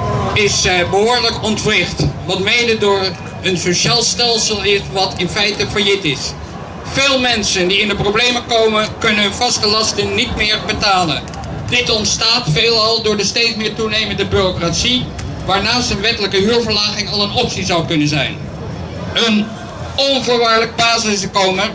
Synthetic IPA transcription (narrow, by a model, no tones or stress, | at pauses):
ɪsbəɦʊːɹləkɔntfrɪχtʋɑtmejndədʊːɹ | ənsoʃaːlˠstɛlˠsəlˠɪʋɑtɪnfɛjtəfəjɪtɪs | feːlˠmɛnsəndiɪndəproblejməkowmənkɵnənnvɑstəlɑstənnitmɪːɹbətaːlə̰n | dɪtɔntstaːtfeːlˠɑlˠdʊːɹdəstejtsmɪːɹtunejməndəbyrokratsi | ʋaːɹnaːstənʋɛtələkəɦyːɹvəɹlaːχɪŋɑlˠənɔpsizɑwkɵnənzɛ̰jn | ən | ɔnvʊːɹʋaːɹlək̚paːzɪsdəkowmə